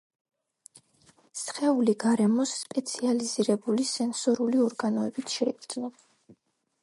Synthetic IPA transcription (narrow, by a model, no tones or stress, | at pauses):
sχɛuliɡaɾɛmɔsːpʼɛt̪sʰializiɾɛbulisɛnsɔɾuliɔɾɡanɔɛbit̪ʰʃɛɛɡɾd̪znɔ